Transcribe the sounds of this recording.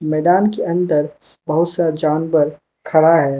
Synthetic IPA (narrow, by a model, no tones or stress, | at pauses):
mɛːd̪aːnkeɐ̃nd̪əɾbɐɦʊt̪sad͡ʒaːnwəɾ | kʰɐɾaɦɛː